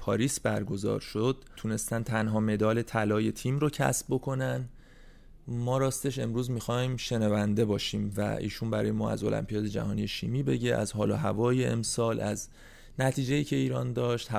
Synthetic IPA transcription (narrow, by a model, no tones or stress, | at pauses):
pʰɒːɾiːsbæɾɡo̞zɒ̰ːɾʃo̞d̪̥̚t̪ʰune̞st̪ænt̪ʰænɦɒːme̞d̪ɒːle̞t̪ʰælɒːje̞t̪ʰiːmɾocʰæ̰sb̥̚bo̞kʰo̞næn | mɒːɾɒːst̪e̞ʃe̞mɾuːzmixɒːjmʃe̞nævænd̪e̞bɒːʃiːmvæ̰ḭːʃuːnbæɾɒ̰ːjemɒːæ̰zo̞læ̰mpʰijɒːd̪e̞d͡ʒæ̰hɒːnije̞ʃiːmiːbe̞ɟeʔæ̰zɦɒːloɦævɒːjeʔḛmsɒːlʔæz | næt̪ʰiːd͡ʒe̞iːcʰe̞iːɾɒːnd̪ɒːʃt̪hæ